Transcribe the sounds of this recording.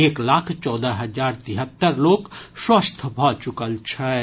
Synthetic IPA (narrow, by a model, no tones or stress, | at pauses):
eːklaːkʰt͡ʃɔːd̪əɦɐd͡ʒaːɾt̪iɦət̪ːəɾloːkswəst̪ʰbʱɔt͡ʃʊkəlt͡ʃʰɛ